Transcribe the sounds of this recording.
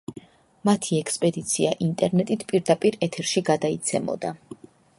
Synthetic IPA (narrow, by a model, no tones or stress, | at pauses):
mat̪ʰiɛkspʼɛd̪it̪sʰiaʔint̪ʼɛɾnɛt̪ʼit̪ʰpʼiɾd̪apʼiɾɛt̪ʰɛɾʃiɡad̪ait̪sʰɛmɔ̰d̪a